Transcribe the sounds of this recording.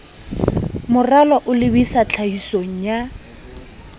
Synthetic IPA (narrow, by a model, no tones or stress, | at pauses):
mʊralɔʔʊlɪbisat͡ɬʰahisoŋ̩ja